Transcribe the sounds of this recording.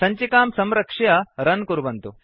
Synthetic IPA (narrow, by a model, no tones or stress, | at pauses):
sɐɲt͡ʃikaːmsɐmɾɐkʂɐjɐɾɐnkuɾʋɐnt̪u